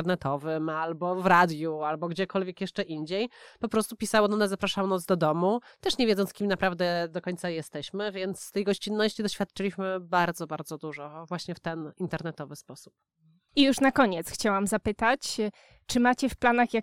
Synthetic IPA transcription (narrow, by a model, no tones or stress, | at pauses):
ɾnɛt̪ɔvɘmalbɔvɾad̪jualbɔɡd͡ʑɛkɔlvʲjɛkjɛʂt͡ʂɛʔind͡ʑejpɔpɾɔst̪upʲisawɔnɔnazapɾaʂawnɔzd̪ɔd̪ɔmut̪ɛʂɲɛvʲjɛd̪ɔnt̪skʲimnapɾavd̪ɛd̪ɔkɔɲt̪sajɛst̪ɛɕmɘvʲjɛnt̪sːt̪ɛjɡɔɕt͡ɕinːɔɕt͡ɕid̪ɔɕfʲjat̪̚t͡ʂɘlʲiɕmɘbaɾd̪zɔbaɾd̪zɔd̪uʐɔvwaɕɲɛft̪ɛnint̪ɛɾnɛt̪ɔvɘspɔsu̥p̚ | ijuʂnakɔɲɛt̪sxt͡ɕawamzapɘt̪at͡ɕ | t͡ʂɘmat͡ɕɛfplanaxja